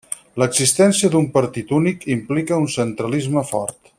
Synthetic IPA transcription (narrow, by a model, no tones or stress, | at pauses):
ləɡzist̪ɛnsiəd̪umpəɾt̪it̪unikimplikəunsənt̪ɾəlizməfɔ̰ɾt̪